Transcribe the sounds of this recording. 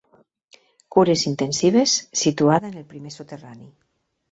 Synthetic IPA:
kuɾesint̪ensiβ̞esːit̪uaðeenelpɾimesot̪erani

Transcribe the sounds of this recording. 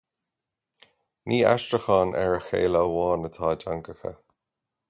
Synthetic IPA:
niːa̰ʃtɹəxɑːnʔɛɹəxḛːləəwɑːnət̪ʰaːdaŋkəxə̰

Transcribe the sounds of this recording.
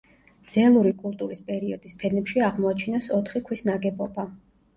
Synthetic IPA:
d̪z̥ɛlˠuɾikʼulˠt̪ʼuɾispʼɛɾiɔd̪̥ispʰɛnɛpʃiaʁmɔat͡ʃʰinɔsɔt̪ʰχikʰwisnaɡɛbɔba

